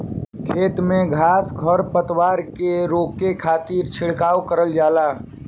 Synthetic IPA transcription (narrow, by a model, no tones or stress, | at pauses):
kʰeːt̪mẽɡʱaːsɡʱəɾpət̪waːɾkeɾoːkekʰaːt̪iɾt͡ʃʰɪɽ̤kaːwkəɾəld͡ʒaːlaː